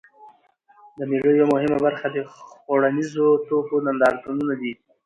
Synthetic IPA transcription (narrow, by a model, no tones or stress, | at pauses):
d̪əmelojawamʊɦɪmabaɾxad̪əxoɽanizot̪okonand̪ɑɾt̪ununad̪i